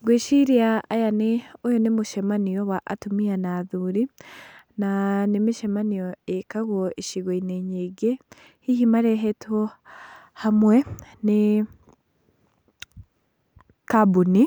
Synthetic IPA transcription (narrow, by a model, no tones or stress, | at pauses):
ɡweːʃiɾiaʔːjaneojonemuʃemanijowaʔa̰tumianaðuɾinanemiʃemanijoekaɣwoeʃiɣoineɲeɡe | hihimaɾeɦeto | hamwene | kabuni